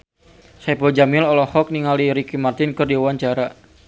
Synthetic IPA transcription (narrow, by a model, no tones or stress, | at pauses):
saipɔd͡ʒamɪlɔlɔhɔk̚niŋaliɾikimart̪ɪnkɨrdiuwaɲt͡ʃaɾa